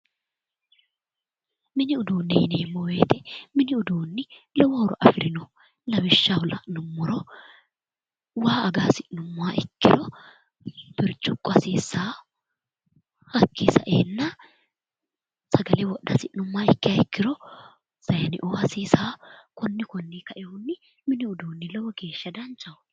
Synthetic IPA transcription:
mɪnɪʊd̪oːnːɪhɪneːmːɔwe̞ːt̪ɛmɪnɪʊd̪oːnːɪlɔwɔːɾɔʔɐfɪɾɪnɔ | lɐbɪʃːahʊlɐ̰ʔnʊmːɔɾɔ | waːɐɡaːsɪʔnʊmːaːʔɪkːɪɾɔ | b̥ɪɾt͡ʃʼʊkʼːɔsiːsːaː | hɐkːisɐʔḛːnːɐ | sɐɡɐlɛwɔɗɐsɪʔnʊmːaːɪkːɪjɐɪkːɪɾɔ | sɐjɐnɪ̰ʔoːhɐsiːsaːkɔnːɪkɔnːikɐʔɛhʊnːɪ | mɪnɪʊd̪oːnːɪlɔwɔɡe̞ːʃːɐd̪ɐnt͡ʃʼːɐʊ

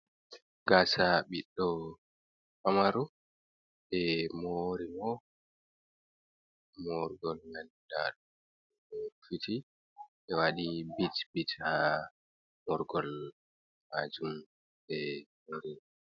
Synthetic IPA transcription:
ɡaːsaɓiɗːɔ | kamaɾu | ɓɛmoɾimɔ | moɾɡɔlnan | da̰ɗɔ | ɛfitʰi | ʔɛwaɗibitbitha | mɔɾɡɔl | maːd͡ʒum | bɛmoɾiɔ

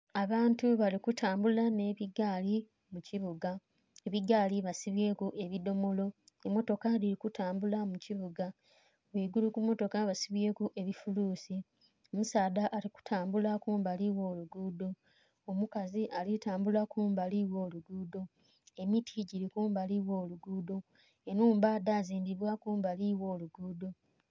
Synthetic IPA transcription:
aβaːntuβalikutʰaːmbulane̞ːβiɡali | muciβuɡa | e̞βiɡaːliβasiβje̞ːkuʔe̞βido̞mo̞lo̞ | emo̞to̞kaliɾikutaːmbulamuciβuɡa | βiːɡulukumo̞to̞kaβasiβje̞ːkuʔe̞βifuluːsi | omusaːdaʔːliku̥tʰaːmbulakuːmbaliwo̞ːluɡuːdo̞ | omukaziʔalitaːmbulakuːmbaliwo̞ːluɡuːdo̞ | e̞mitʰiɟiɾikuːmbaliwo̞ːluɡuːdo̞ | enuːmbaːdaːziːndiβwakuːmbaliwo̞ːluɡuːdo̞

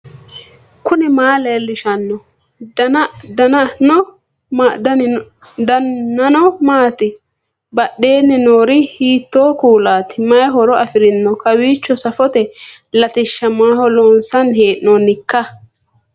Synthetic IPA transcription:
kʊnɪmaːleːlːɪʃɐnːɔ | d̪ɐnnɔ | dɐːɐnɔmaːt̪ɪ | bɐɗːe̞ːnːɪnoːɾɪhiːt̪ːoːkuːlaːt̪ɪmɐjɦɔɾɔɐfɪɾɪnːɔkɐwiːt͡ʃːɔsɐfɔt̪ɛ | lɐt̪ɪʃːɐmaːɦɔlɔnsɐnheːʔnɔnːɪkːɐ

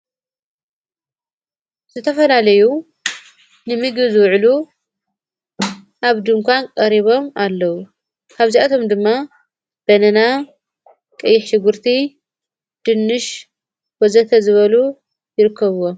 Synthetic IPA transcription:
z̥ɨt̪ʰɐfɐlalɐju | nɨmɨɡβɨzɨwʕlu | ʔaβd̪ɨŋkʰʷankʼɐɾiβo̞malːɐwu | kʰaβziat̪ʰo̞md̪ɨmːa | b̥ɐnɐna | kʼɨjːɪħʃɪɡɨɾt̪ʰi | d̪̥ɨnːɨʃ | wozɐt̪ʰɐzɨβɐlu | jɪɾɨkʰːɐβuwo

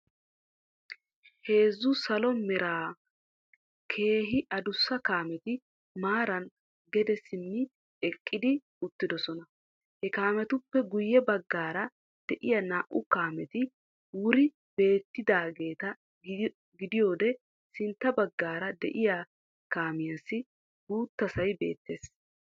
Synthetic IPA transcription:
he̞ːzːʊsɐlɔmɛɾaː | kʰe̞ːɦɪʔɐd̪ʊsːɐkaːmɛt̪ɪ | maːɾɐn | ɡɛd̪ɛsɪnːɪ | ɛkʼːɪd̪ɪ | ʊt̪ːɪd̪ɔsɔnɐ | hɛkaːmɛt̪ʊpːɛɡʊjːɛbɐɡːaːɾɐ | d̪̥ɛʔɪjɐnaːʔʊkaːmɛt̪ɪ | wʊɾɪ | be̞ːt̪ːɪd̪aːɡe̞ːt̪ɐ | ɡɪd̪ɪjo̞ːd̪ɛ | sɪnt̪ːɐbɐɡːaːɾɐd̪ɛ̰ʔɪja | kaːmɪjasːɪ | ɡ̥uːt̪ːɐsɐjbe̞̰ːt̪ːe̞ːs

